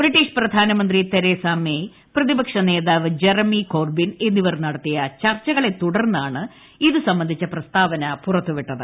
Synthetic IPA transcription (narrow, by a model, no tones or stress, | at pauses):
briʈːiːʂprɐd̪ʱaːnɐmɐnd̪rit̪eɾeːsaːme | prɐðibɐkʂɐne̞ːðaːʋɨd͡ʑe̞rɐmiko̞ːrbine̞nːiʋɐrnɐɽɐt̪ːijɐt͡ɕɐrt͡ɕːɐɣɐɭe̞t̪ːuɽɐrnːaːɳɨ | iðɨsɐmbɐnd̪ʱit͡ɕːɐprɐst̪aːʋɐnɐpurɐt̪ːuʋiʈːɐðɨ